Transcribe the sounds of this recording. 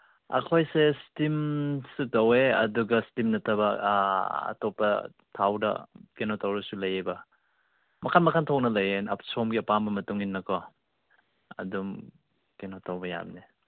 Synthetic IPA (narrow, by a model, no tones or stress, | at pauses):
ɐ̰kʰojsestimsutɐweɐ̰duɡɐstimnɐtʰɐbɐ | ɐ̰topɐ | tʰawdɐ̰kenotʰawɾɐsulɐjebɐ | mɐkʰanmɐkʰantʰɔk̚nɐlɐjenɐpsomɡiɐpambɐmɐtuŋinːɐkʰɔ | ɐ̰dum | kenotʰawbɐja̰mni